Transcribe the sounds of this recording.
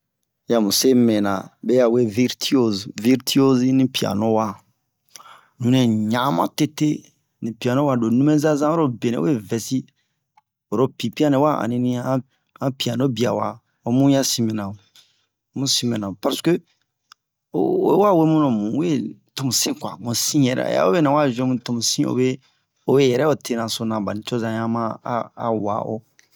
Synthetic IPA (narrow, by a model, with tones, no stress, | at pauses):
ja˨mũ˨se˦mɛ̃˨nã̰˨be˦ja˨we˦vi˦ɾtʰi˦o˦vi˦ɾti˦o˦zi˦nĩ˦pi˨a̰˨nõ˦wa˦ | nũ˨˦nɛ̃˨ɲã˨˦mã̰˦te˦te˦ | nĩ˨pi˨a˨no˦wa˨do˨nũ˦me˦za˦zã˦o˦ɾo˦be˨nɛ̰̃˨˦we˦˨vɛ˨si˦ | o˨ɾo˦pi˨pi˦a˦nɛ˨˦wa˦ã̰˨nĩ˦nĩ˦ã˦ | ã˦pi˨a˨no˦bi˨a̰˨wa˦ | o˨mũ˦jã˦sĩ˦mɛ˨nã˨o˨ | mũ˦sĩ˦mɛ̃˨nã˨o˨pa˨ɾskø˦ | o˨˦ḛ˦wa˦we˦mũ˦nõ˨mũ˨u˦e˦to˨mũ˨sĩ˦kwa̰˨mũ˨sĩ˦jɛ˨ɾɛ̰˦a̰˦o˦be˦nã˨wa˦ʒẽ˦mũ˨to˨mũ˨sĩ˦o̰˨be˦ | o˦je˦jɛ˨ɾɛ˦o˦tʰe˦nã˨so˦nã˨ba˨nĩ˨t͡ʃo˦zã˨˦ã˦mã˦a̰˨wa̰˨ʔo̰˦